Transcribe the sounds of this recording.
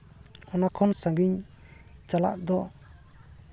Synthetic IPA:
ɔnakʰɔnsaŋɡiɲ | t͡ʃala̰ʔd̪ɔ

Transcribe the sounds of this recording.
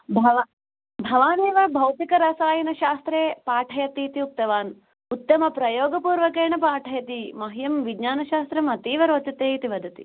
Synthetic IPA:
bʱɐʋa | bʱɐʋaːneːʋɐbʱɐwt̪ikɐɾɐsaːjɐnɐʃaːst̪ɾeːpaːʈʰɐjɐt̪iːt̪iup̚t̪ɐʋaːn | ut̪ːɐmɐpɾɐjoːɡɐpuːɾʋɐkeːɳɐpaːʈʰɐjɐt̪imɐɦjɐmʋiɡɲaːnɐʃaːst̪ɾɐmɐt̪iːʋɐɾʋɐt̪it̪eːit̪iʋɐd̪ʱɐt̪i

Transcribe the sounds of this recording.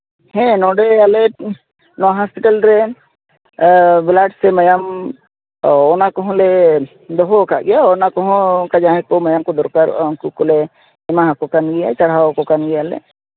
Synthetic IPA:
hɛ̃nɔɖealɛ | nɔɦaspiʈəlɾɛ | blaɖsɛməjam | ɔnakɔɦɔ̃le | d̪ɔɦokaʔɡɛjanakɔɦɔ̃kad͡ʒaɦɛ̃kɔmɐjamkɔd̪ɔɾkaɾkukɔle | ɛmaɦakɔkanɡɛja̰t͡ʃaɽ̤awkɔkanɡɛjalɛ̰

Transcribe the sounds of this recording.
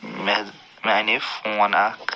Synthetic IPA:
m | manefũwanakʰ

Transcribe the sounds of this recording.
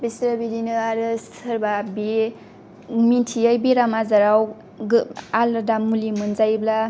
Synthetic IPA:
bisɾabidinɯaɾɯstʰɯɾbabi | mintʰiajbiɾamazaɾaw | aladamulimɯnzajbla

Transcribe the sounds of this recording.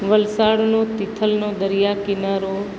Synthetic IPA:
ʋəlsaːɽnot̪ɪt̪ʰəlnod̪əɾijakɪnaɾo

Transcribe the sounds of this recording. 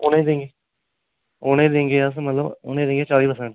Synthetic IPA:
oːnẽd̪ẽːŋɡeː | oːnẽːd̪ẽːŋɡeːəs̬mət̪ləbo̰ːnẽːd̪ẽːŋɡeːt͡ʃaːɾiːpəɾsɛ̃ɳʈ

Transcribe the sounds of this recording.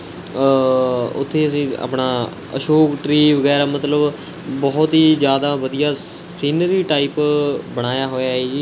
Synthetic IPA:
ʊ̰t̪ʰːeːəsĩːa̰ːpɳaː | ə̰ʃoːkʈɾiːʋəɡɛːɾaːmət̪ləb | bɔːt̪ɦiːd͡ʒjaːd̪aːʋəd̪ijaː | siːnəɾiːʈaːiːpbəɽ̃aːjaːɦoːjaːiː

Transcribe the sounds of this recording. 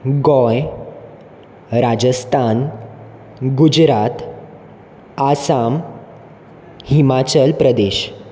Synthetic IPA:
ɡɔ̃j | ɾad͡ʑəst̪ʰan | ɡud͡ʑɾat̪ | asam | himat͡ɕəlpɾəd̪eɕ

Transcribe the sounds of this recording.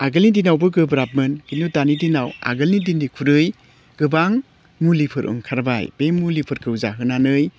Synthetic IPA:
aɡɯlnidinawbɯɡɯbɾap̚mɯnkinutanidinawa̰ɡɯlnidindikʰuɾɯj | ɡ̥ɯbaŋ | mulipʰɯɾʔɯ̰ŋkʰaɾbajbeŋmulipʰɯɾkʰɯwzaɦɯnanɯj

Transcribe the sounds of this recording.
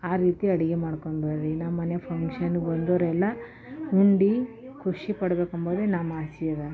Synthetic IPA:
aːɾiːt̪iɐɽiɡemaːɽkoɳbɐɾɾinɐmːɐnjɐpʰɐŋkʂɐnɡond̪oɾɛlːɐ | uɳɖi | kʰuʂipɐɽɐbeːkɐmboːd̪enamːaːsiɐɾɐ

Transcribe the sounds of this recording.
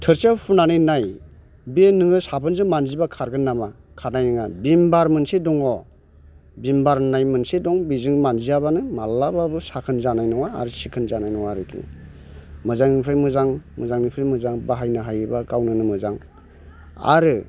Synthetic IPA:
tʰɯɾsapʰunanɯjnaj | benɯŋɯsapʰɯnzɯŋmanzibakʰaɾɡɯnːama | kʰanajnɯŋabimbaɾmɯnsidɔŋɔ | bimbaɾnajmɯnsidɔŋbizɯŋmanzijabanɯmalːababɯsakʰɯnzanajnɔŋa̰ːɾɯsikʰɯnzanajnɔwaɾɯkʰḭ | mɯzaŋnipʰɾɯjmɯzaŋmɯzaŋnipʰɾamɯzaŋbaɦajnɯɦajbakawnɯnɯmɯzaŋ | a̰ɾɯ

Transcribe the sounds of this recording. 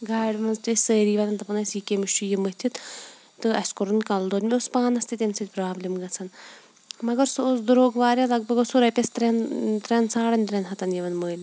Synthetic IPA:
ɡaːɖʲmɐnzt̪ɐsʲsəːɾiːʋɐt̪ɐnt̪ɐpɐnɐsiːkemiʃt͡ʃujimɐɦt̪ʰit̪ | t̪ɨɐsʲkoɾɨnkɐld̪oːd̪ʲmʲiospaːnɐst̪it̪ʲɐnsɐt̪ʲpɾaːblʲimɡɐt͡sʰɐn | mɐɡɐɾsosd̪uɾoːɡʋaːɾʲalɐɡ̚bɐɡɐsuɾɐpʲɐst̪ɾent̪ɾʲɐnsaːɽɐnʲt̪ɾʲɐnɦɐt̪ɐnjɐʋɐnməːnʲ

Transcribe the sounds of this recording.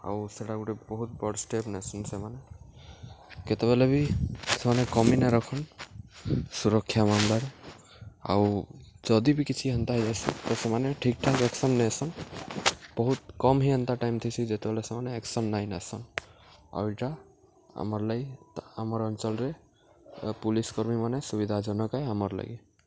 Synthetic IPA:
a̰wseɽaɡuʈɛbɔɦut̪̚bɔɽsʈepnasɔnsemane | ket̪ɛbalebisemanɛkɔminaɾɔkʰɔn | suɾɔkʰːjamamlaɾ | a̰wd͡ʒɔd̪ibikit͡ʃʰiɦɔnt̪aɦjzajsḭt̪ɔsemaneʈʰik̚ʈʰakeksɔnːɛsɔŋ | b̥ɔɦut̪̚kɔmɦiɔnt̪aʈajmt̪ʰɔsʰid͡ʒet̪ɛbelesemaneːksɔnːajnasɔŋ | a̰wiʈa | a̰mɔɾlajamɔɾɔnt͡ʃɔlɾe | puliskɔɾmimanesubid̪ʱad͡ʒɔnɔkajamɔɾla̰ɡi

